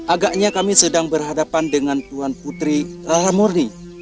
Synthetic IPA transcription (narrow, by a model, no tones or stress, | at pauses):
ʔaɡaʔɲakamisədaŋbərɦadapandəŋant̪uanput̪ɾiralamɔrni